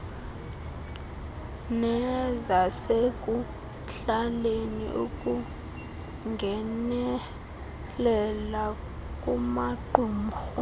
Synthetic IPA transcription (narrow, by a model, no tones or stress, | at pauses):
nɛzasekʼu | ɬalenḭʔṵkʼu | ŋɡʱɛnɛ | lɛla | kʼumaǃʱum̩xu